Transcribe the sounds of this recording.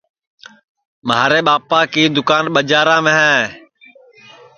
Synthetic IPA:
mɦaːɾeːɓaːpaːkiːd̪ʊkaːnɓəd͡ʒaːɾãːmẽːɦɛ̃ː

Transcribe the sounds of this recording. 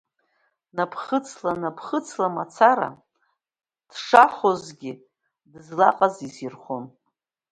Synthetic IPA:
napʰχət͡sʰlanapʰχət͡sʰlamat͡sʰaɾa̰ | d̥ʂaχozɡʲɪ | dɨzlaqʼazizirχon

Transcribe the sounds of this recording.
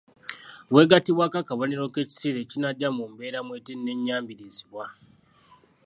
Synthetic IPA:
βwe̞ɡatiβwakakaβoniɾo̞ke̞ːci̥siɾe̞cinaɟːamumbe̞ːɾamweːtenːe̞ɲːaːmbiɾiziβwa

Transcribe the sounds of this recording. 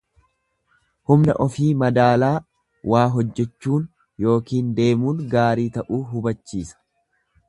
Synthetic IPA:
hʊmnɐʔɔfiːmɐd̪aːlaː | waːɦɔd͡ʒːɛt͡ʃːuːn | jo̞ːkiːnd̪e̞ːmuːnɡaːɾiːt̪ɐʔuːɦʊbɐt͡ʃːiːsɐ̥

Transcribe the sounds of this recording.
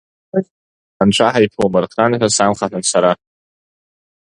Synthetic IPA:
anʈ͡ʂʷʰaħajpʰuwmɨrqʰanħʷᶣasamχaħansaɾa

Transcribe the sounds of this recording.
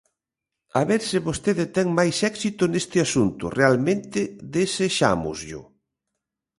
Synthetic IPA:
aβeɾsɪβost̪eðɪt̪ɛŋmajsɛksit̪ʊnest̪ɪasunt̪ʊ̰realmẽnt̪ɪðeseʃa̰mʊ̰zʎʊ̰

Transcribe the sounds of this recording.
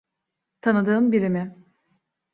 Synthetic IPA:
t̪ʰanɯd̪ɯːnbiɾimɪ

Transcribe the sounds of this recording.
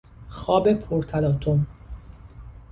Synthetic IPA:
xɒːbepʰoɾt̪ʰælɒːt̪ʰom

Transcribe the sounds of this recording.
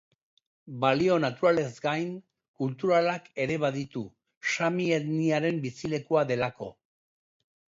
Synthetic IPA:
balio̞nat̪uɾale̞zɡajn | kult̪uɾalake̞ɾe̞βaðit̪u | ʃamieðniaɾe̞mbisile̞kuaðe̞lako̞̰

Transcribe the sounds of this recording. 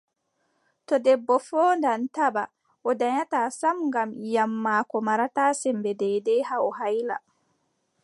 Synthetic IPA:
tɔdɛbːɔfɔːndantaba̰ | ʔɔdaɲataːsamŋɡamjamːaːkɔmaɾataːsɛmbɛdɛdɛhaɔɦajla̰

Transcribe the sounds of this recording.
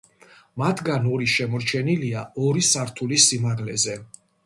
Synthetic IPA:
mat̪ʰɡanɔɾiʃɛmɔɾt͡ʃʰɛniliaɔɾisaɾt̪ʰulisimaʁlɛzɛ

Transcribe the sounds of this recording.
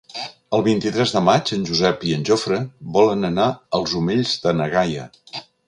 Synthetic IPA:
əlˠβint̪it̪ɾɛzðəmad͡ʒənʲʒuzɛpiənʲʒofɾəβɔlənənaəlˠzumeʎzðənəɣajə̰

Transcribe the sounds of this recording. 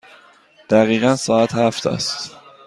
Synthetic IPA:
d̪̥æɣiːɣænsɒːæt̪ʰhæft̪ʰæ̰st̪

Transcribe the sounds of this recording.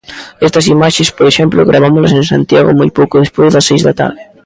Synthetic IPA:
est̪ɐsimaʃespoɾeʃemploɣɾʔaβ̞amolɐs̬ẽnsã̰nt̪jaɣo̰mojpowkoðespwejzðɐsːejzðat̪a̰ɾðɪ

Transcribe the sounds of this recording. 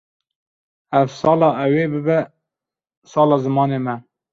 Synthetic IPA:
ɛvsɑːlɑːɛweːbɨbɛ | sɑːlɑːzɨmɑːneːmɛ

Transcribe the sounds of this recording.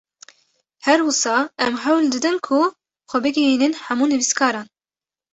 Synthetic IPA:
hɛɾwʊsɑːʔɛmɦæwld̪ɨd̪ɨnkʰu | xʷɛbɨɡijiːnɨnħamuːnɨviskʰɑːɾɑːn

